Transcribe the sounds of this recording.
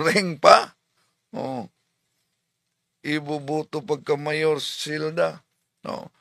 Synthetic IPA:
ɾɛŋpa | o | ibubut̪upakəmajɔrsilda | o̰

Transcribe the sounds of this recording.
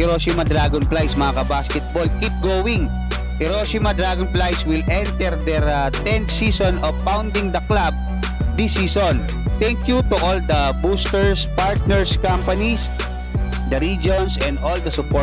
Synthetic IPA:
hɛɾoʃimɐd̪ɾaɡɔnplajsmɐŋakɐbaskɛt̪̚bolkip̚ɡowɪŋ | hɛɾosimɐd̪ɾaɡɔnplajswɪlɛ̃nt̪ɛɾd̪ɛɹt̪ɛ̃nsisɔnɔvpawnd̪ɪŋd̪ɐklab̚ | d̪isiːsɔn | t̪ɛŋkjut̪uʔold̪ɐbust̪ɛɹspaɹt̪̚nɛɹskampɐnis | d̪ɐɾid͡ʒonsɛ̃nd̪old̪ɐsʊpɔ

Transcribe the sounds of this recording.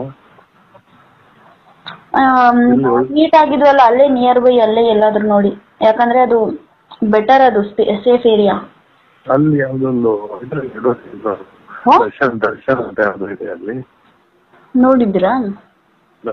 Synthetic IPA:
ɐɐniːʈ̪aːɡid̪ɾuɐlːɐːlːeːnijɐɾʋɐjɐlːeːɛlːaːd̪ɾuno̞ːɽi | jaːkɐnd̪ɐɾe̞ɐd̪u | bɛʈɐɾɐd̪uspseːfeːɾija | ɐlːijaːʋud̪ond̪uɐit̪ɾɐeɽoːt̪elːa | ɦɐɾʃɐnd̪ɐɾʃɐnɐnt̪ɐjaːd̪uid̪eɐlːi | noːɽid̪iɾa

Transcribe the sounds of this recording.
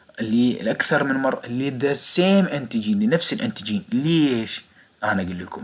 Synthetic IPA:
ʔɪlːḭlʔakθɑɾˤmɪnmɑrˤːɑlːid̪ɑɾseːmʔɪnt̪ɪd͡ʒiːnlinafsilʔɪ̰nt̪ɪd͡ʒiːnleeʃ | ʔanaɡʊlːəlkʊm

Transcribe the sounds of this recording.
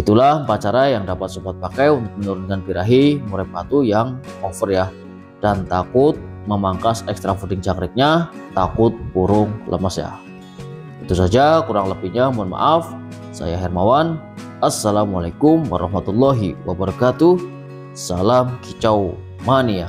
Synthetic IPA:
it̪ulahpat͡ʃaɾajaŋdapat̪̚supat̪̚pakajunt̪ʊk̚mənuɾʊnkanpiɾaɦimuɾap̚kat̪ujaŋɔfərja | d̥ant̪akʊt̪̚ | məmaŋkasɛkst̪ɾafudɪŋt͡ʃakɾɪk̚ɲat̪akʊt̪̚buɾʊŋlʔə̰masja̰ | it̪usad͡ʒakuɾaŋləpiɲamuanma̰ʔaf | sa̰jaɦɛrmawan | ʔasːalamalakʊmwa̰ɾɑhmat̪ulːɔɦiwa̰bərkat̪u | salamkit͡ʃaw | manija

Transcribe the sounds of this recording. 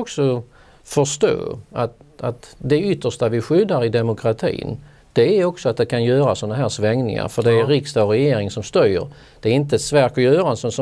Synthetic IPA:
ɔksɔ | fœʂt̪o̰ːat̪at̪d̪ɛʏt̪ːəʂt̪avɪɧʏd̪ːaɾɪd̪ɛmʊkʰɾat̪ʰḭːn | d̪̥ɛæɾɔksɔat̪̚d̪ɛkʰanjœːɾasɔnaɦæːɾʂvɛŋnɪ̰ŋa̰ɾfœɖɛːɾɪkst̪ɑɾɛjeːɾɪŋsɔmst̪œjə̰ɾ | d̪̥ɛæːɾɪnt̪̬əɛt̪svæːɾkɔjœːɾansɔsɔ

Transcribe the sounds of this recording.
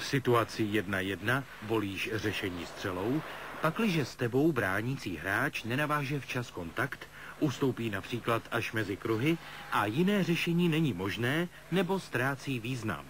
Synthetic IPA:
fsɪt̪uat͡sɪjɛdnajɛdna | vo̞liːʃr̝ɛʃɛɲiːst̪r̝̥ɛlo̞wpaklɪʒɛst̪ɛbo̞wbɾaːɲit͡siːɦɾaːt͡ʃnɛnavaːʒɛft͡ʃasko̞nt̪akt̪ | ʔust̪o̞wpiːnapr̝̥iːklat̪ʔaʃmɛzɪkɾuɦɪʔajɪnɛːr̝ɛʃɛɲiːnɛɲiːmo̞ʒnɛː | nɛbo̞st̪ɾaːt͡siːviːzna̰m

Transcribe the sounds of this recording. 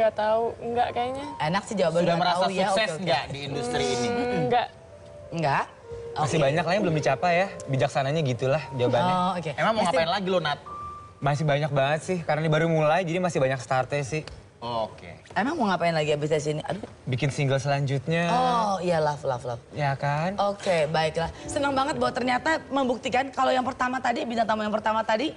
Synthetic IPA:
ŋɡaʔt̪auŋɡaʔkajaɲaenaksɪhd͡ʒawabandɡaməɾaaasjuasɛsŋɡaʔdiːndust̪ɾiːniŋɡaʔ | ŋɡaʔ | asɪhbaɲaklahŋbəlʊmdit͡ʃapajabid͡ʒak̚sanaɲaɡit̪ulahd͡ʒawabanaokememaŋmɔŋapaɪnlaɡilonat̪̚ | mas̬ɪhbaɲak̚baŋət̪̚sɪhkaɾənadibaɾumulajd͡ʒadimasɪhbaɲakst̪art̪asɪh | okḛemaŋmoŋapaɪnlaɡiabɪsas̬iniʔa̰do | bikɪnsiŋɡəlsəlaɲd͡ʒut̪̚ɲaɔijalafla̰flafjakanokebaɪklahsənəŋbaŋət̪̚bawat̪ərɲat̪aməmbuk̚t̪ikankalojaŋpərt̪amat̪adibinaŋt̪amŋjaŋpərt̪amat̪adi

